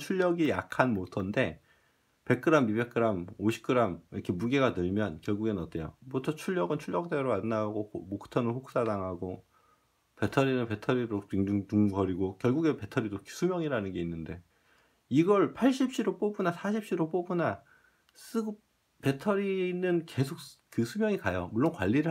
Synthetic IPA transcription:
t͡ɕʰuʎːjʌɡijakʰanmotʰʌnde̞ | pe̞k̚k͈ɯɾamibe̞k͈ɯɾamoɕʰi̥k͈ɯɾamiʌkʰe̞muɡe̞ɡadɯɭmjʌnkjʌɭɡuɡenʌt͈e̞jobotʰʌt͡ɕʰuʎːʌɡɯnt͡ɕʰuʎjʌk̚t͈e̞ɾoanːaɡomokʰɯ̥tʰʌnɯɸoks͈adaŋɦaɡo | pe̞tʰʌɾinɯnpe̞tʰʌɾiɾɾotiŋd͡ʑuŋduŋɡʌɾiɡokjʌɭɡuɡepe̞tʰʌɾidoksʰumjʌŋiɾanɯnɡe̞inːɯnde̞ | iɡʌɭpʰaɭɕ͈ʰip̚ɕ͈iɾop͈obunasʰaɕʰip̚ɕ͈iɾop͈obuna | s͈ɯɡ | pe̞tʰʌɾinɯnke̞sʰok̚kɯsʰumjʌŋikajomuɭːonkwaʎːiɾɯ

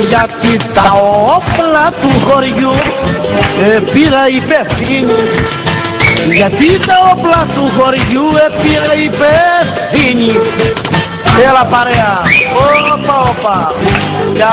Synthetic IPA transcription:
jat̪it̪aɔplat̪uɦoɾiju | epiɾaipesiɲi | jat̪it̪aɔplat̪uɦɔɾijuepiɾaipe | siɲi | ealapaɾeaopaopa | ja

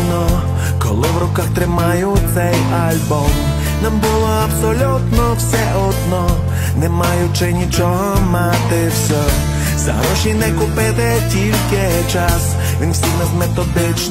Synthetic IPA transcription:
nɔ | kɔ̰lˠɪʋɾʊkaxt̪ɾɪmajʊt̪sɛj | ɐlʲbɔm | nambʊlˠɔɐbsɔlʲut̪nɔwsɛʔɔd̪nɔ | nɛmajʊt͡ʃɪnʲit͡ʃɔɦɔmat̪ɪwsʲɔ | za̰ɾɔʃinɛkʊpɪt̪ɪ | tʲilʲkɪ | t͡ʃas | ʋʲinwsʲinɐzmet̪ɔd̪ɪt͡ʃ

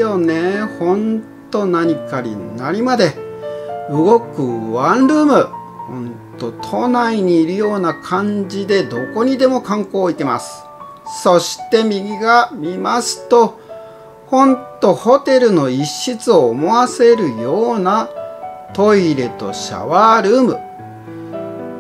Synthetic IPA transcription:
jonehõ̞ntt̪o̞naɲ̟ikaɲ̟ḭnaɾʲimad̪e̞ | ɯ̟ɡo̞kɯ̟βãnɾɯ̟ːmɯ̟ | hõ̞̰nt̪o̞t̪ʰo̞naiɲ̟iːɾɯ̟jo̞ːnakʰãɲ̟d͡ʑid̪e̞d̪o̞ko̞ɲ̟id̪e̞mo̞kãŋko̞ːit̪e̞ma̰sɨ̥ | so̞ɕi̥t̪e̞mʲiɡʲiɡamʲimasɨ̥t̪o̞ | hõ̞nt̪o̞ho̞t̪e̞ɾɯ̟no̞iɕːit͡sɨo̞ːmo̞βase̞ɾɯ̟jo̞ːna | t̪o̞iɾe̞t̪o̞̰ɕa̰βaɾɯ̟ːmɯ̟̰

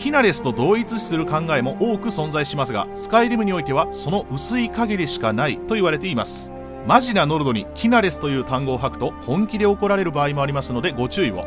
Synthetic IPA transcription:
kʲinaɾe̞sɨ̥t̪o̞d̪o̞ːit͡sɨɕi̥sɨɾɯ̟kãŋɡae̞mo̞ʔo̞ːkɯ̟sõ̞ñzaiɕimasɨɡa̰sɨ̥kaiɾʲimɯ̟ɲ̟io̞it̪e̞β̞aso̞no̞ʔɯ̟sɨikaɡe̞d̪e̞ɕi̥kanait̪o̞iβaɾe̞t̪e̞imasɨ̥ | maʑinano̞ɾɯ̟d̪o̞ɲ̟ikʲʰinaɾe̞sɨ̥t̪o̞jɯ̟ːt̪ãŋɡo̞ːɦakɯ̟̥t̪o̞hõ̞ŋkʲid̪e̞oko̞ɾaɾe̞ɾɯ̟baːimo̞aɾʲimasɨno̞d̪e̞ɡo̞t͡ɕɨːiβo̰

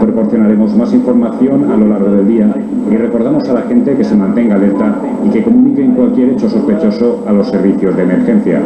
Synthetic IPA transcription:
pɾopo̞ɾθjo̞naɾe̞mo̞zmasiɱfo̞ɾmaθjo̞nalo̞laɾɣ̞o̞ðe̞ld̪ia | ire̞ko̞ɾð̞amosalaxent̪e̞ke̞se̞mãnt̪e̞ŋɡaðelt̪a | ike̞ko̞munikeŋkwalkjeɾe̞t͡ʃo̞so̞spe̞t͡ʃo̞so̞alo̞sːe̞ɾβ̞iθjo̞zðeːme̞ɾxe̞n̟θja̰

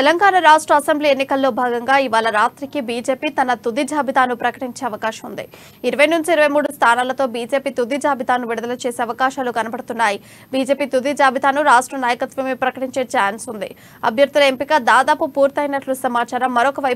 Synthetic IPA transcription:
t̪ɛlɐŋɡaːnɐɾaːʂʈɾɐɐsembliːenːikɐlːo̞ːbʱaːɡɐŋɡaːiʋaːlɐɾaːt̪ɾikibiːd͡ʒe̞ːpiːt̪ɐnɐt̪ud̪id͡ʒʱaːbʱit̪aːnupɾɐkɐʈiɲt͡ʃe̞ːɐʋɐkaːʃɐmund̪ḭ | iɾuʋɐjnuɲt͡ʃiːɾɐʋɐjmuːɽust̪ʰaːnaːlɐt̪o̞ːbiːd͡ʒe̞ːpiːt̪ud̪id͡ʒaːbʱit̪aːnuʋiɽɐd̪ɐlɐt͡ʃeːse̞ːɐʋɐkaːʃaːlukɐnɐbɐɽut̪unːaːji | biːd͡ʒe̞ːpiːt̪ud̪id͡ʒaːbʱit̪aːnuɾaːʂʈɾɐnaːjɐkɐt̪ʋɐmipɾɐkɐʈiɲt͡ʃe̞ːt͡ʃaːnsund̪ḭ | ɐ̰bʱjɐɾd̪ulɐempikad̪aːd̪aːpupuːɾt̪ɐjnɐʈlusɐmaːt͡ʃaːɾɐmːɐɾɔkɐʋɐj

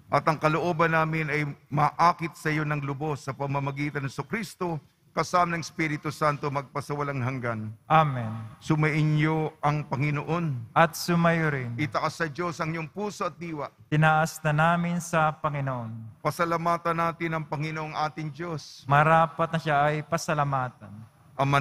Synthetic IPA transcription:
ʔɐt̪ɐŋkɐloʔoːbɐnːaːmɪnɐjmɐːʔaːkɪt̪̚sɐjo̞nɐŋlʊbo̞sːɐpɐmɐmɐɡiːt̪ɐnɐsokɾist̪o̞ | kɐsaːmɐnɐŋɪspiɾɪt̪usant̪o̞mɐɡ̚pɐsɐwɐlaŋɦɐŋɡanʔamɛnsʊmɐʔɪnjoʔɐŋpɐŋɪnoʔo̞nʔɐt̪̚sʊmɐjoɾɪnɪt̪ɐʔasːɐd͡ʒo̞sɐŋjoŋpuːsoɐt̪̚d̪iːwɐt̪ɪnaʔasnɐnaːmɪnsɐpɐŋɪnoʔo̞npɐsɐlɐmaːt̪ɐnːaːt̪ɪnɐŋpɐŋɪnoʔoŋʔaːt̪ɪŋd͡ʒo̞smɐɾaːpɐt̪̚nɐʃaʔɐjpɐsɐlɐmaːt̪ɐn | ʔɐma

